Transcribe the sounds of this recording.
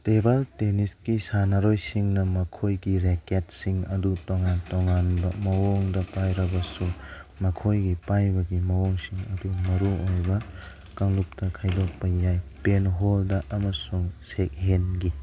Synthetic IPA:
tebalteniskisanaɾojsiŋnɐmɐkʰojɡiɾeket̚siŋɐdutoŋantoŋanbɐmɐwoŋdɐpajɾɐbɐsumɐkʰojɡipajbɐɡimɐwoŋsiŋɐdumɐɾuojbɐ | kɐŋlup̚tɐkʰɐjdopːɐjajpenɦoldɐʔɐmɐsuŋsek̚ɦenɡi

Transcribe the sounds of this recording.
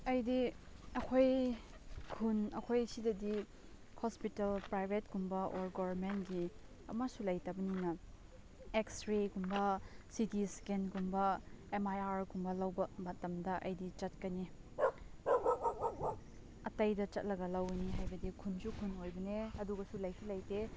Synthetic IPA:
ɐjdiɐkʰoj | kʰunɐkʰojsidɐdi | hospitelpɾajbʱetɡumbɐʔoɾɡobɐɾmentɡi | ɐ̰masulɐjtɐbɐninɐ | eksɾeɡumbɐsitiskenɡumbɐemajaɾɡumbɐlɐwbɐmɐtɐmdɐʔɐjdit͡ʃɐt̚kɐni | ɐtɐjdɐt͡ʃɐt̚lɐɡɐlɐwɐniɦajbɐdikʰunsukʰunojbɐneɐduɡɐsulɐjsʰilɐjte

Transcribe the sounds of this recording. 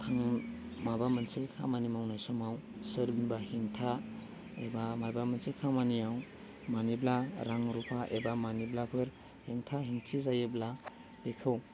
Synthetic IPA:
tʰaŋmabamɯnsekʰa̰manimawnajsɔmawsɯɾbinbahiŋtʰa | ebamajbamɯnsekʰamaniaw | maniblaɾaŋɾupʰaʔebamaniblapʰɯɾ | hiŋtʰaɦiŋtʰizajebla | b̥ekʰɯw

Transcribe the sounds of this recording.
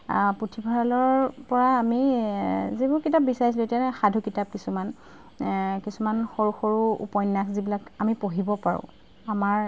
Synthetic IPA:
potʰibʱaɹalɔɹpɔɹaːmi | zebʊɹkitap̚bisaɹis̬ilʊetianɛxadʱukitap̚kisuman | kisumanxoɹuxoɹuṵpɔjnːakzibilakamipoɦibɔpaɹʊ̰̃ | amaɹ

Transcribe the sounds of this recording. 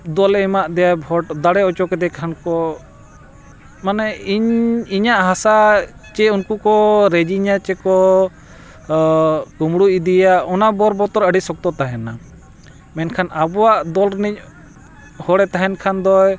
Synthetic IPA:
d̪ɔlɛmaʔd̪ɛjabʱɔʈd̪aɽɛɔt͡ʃɔkɛd̪ɛkʰankɔ | manɛiɲiɲaʔɦasat͡ʃɛunkukɔɾɛd͡ʒiɲat͡ʃɛkɔ | kumɽuid̪ijaɔnabɔɾbɔt̪ɔɾəɖisɔk̚t̪ɔt̪aɦɛna | mɛnkʰanabɔwaʔd̪ɔlɾnic̚ | hɔɽɛt̪aɦɛnkʰand̪ɔj

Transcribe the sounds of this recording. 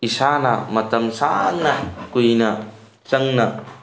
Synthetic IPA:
isanɐmɐt̪ɐmsannɐkujnɐ | t͡ʃɐŋnɐ

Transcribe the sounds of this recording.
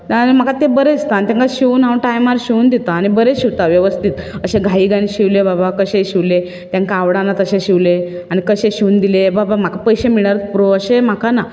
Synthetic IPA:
anim̤akat̪ebəɾed͡zt̪ant̪ãŋkaɕiuːnaʈajmaɾɕiund̪it̪aːñibəɾeɕiʋt̪aʋjeʋəst̪it̪əɕeɡʱaiɡãniɕiʋlebabakəɕẽɕiʋle | t̪jãŋkaʋɽãnːat̪əɕẽɕiʋle | aɽ̃ikəɕẽɕiund̪ilebabam̤akapəjɕemiɭaɾət̪̚puɾoəɕem̤akana

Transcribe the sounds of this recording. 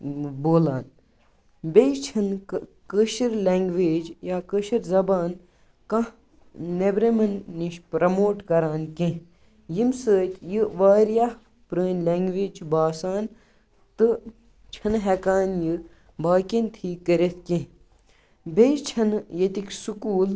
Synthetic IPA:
boːlaːn | bejt͡ʃʰɐnkəʃiɾleːŋɡʋeːd͡ʒjaːkəʃiɾzɐbaːn | kɐ̃ | nebɾemɐnːiʃpɾɐmoːʈkɐɾaːnkẽ | jimsəːt̪ʲjɨʋaːɾjah | pɾəːnlʲeːŋɡʋeːd͡ʒbaːsaːn | t̪ɨ | t͡ʃʰɐnɦɛkaːnjɨ | baːkʲint̪ʰiːkːəɾet̪ʰkẽ | bʲejt͡ʃʰɐnjet̪iksukuːl

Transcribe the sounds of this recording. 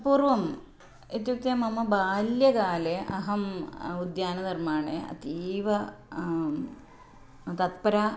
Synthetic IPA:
puːrʋɐm | et̪juk̚t̪jɐmɐmːɐbaːljɐkaːleʔɐɦɐmud̪jaːnɐd̪ɐrmaːɳḛɐ̰t̪iːʋɐ | t̪ɐt̪̚pɐɾɐ

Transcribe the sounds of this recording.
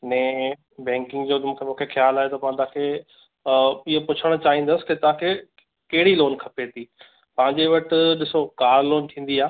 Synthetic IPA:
nɛ̃ː | bɛ̃ːŋkɪ̃ŋɡd͡ʑoːmũːkʰemũːkʰexjaːlaːɦet̪ɐpãɪ̃t̪aãkʰe | ɪɦopʊt͡ɕʰəɽ̃ʊt͡ɕaːɦĩːn̆d̪əsɪ̥kɪt̪ɐɦãkʰe | kɐɦɪɽiloːnkʰɐpet̪iː | pɐ̃ɦɪ̃ɲd͡ʑeʋɐʈɪɗɪsokaːɾloːnt̪ʰĩːn̆d̪iaː

